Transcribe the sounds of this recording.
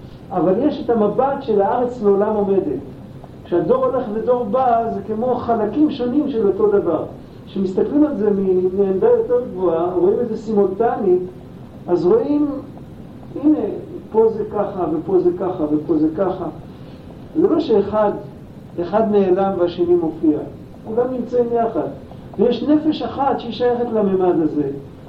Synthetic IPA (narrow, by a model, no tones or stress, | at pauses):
avaljeʃetamabatʃe̞laaʁet͡sleolamo̞me̞det | kʃeado̞ʁo̞le̞χve̞do̞ʁbaze̞kemo̞χalakimʃo̞nimʃe̞lo̞to̞d̪avaʁ | kʃe̞mist̪aklimalze̞mineːndajo̞teʁɡvoaʁo̞imeze̞simo̞ltani | azʁo̞im | ine̞po̞zekaχavepo̞zekaχavepo̞zekaχa | zelaʃeːχad̪ | eχad̪meelamveaʃenimo̞fia | uɡamnimt͡saimjaχad | vejeʃne̞fe̞ʃaχat̪ʃeiʃajeχet̪lamemadaze